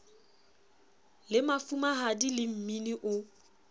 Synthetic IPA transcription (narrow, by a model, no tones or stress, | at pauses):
lɪmafumaɦadilɪm̩miniʔʊ